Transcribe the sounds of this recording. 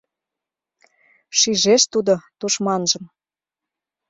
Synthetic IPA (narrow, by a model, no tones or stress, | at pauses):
ʃiʒeʃt̪ud̪ot̪uʃmɑnʒɤ̆m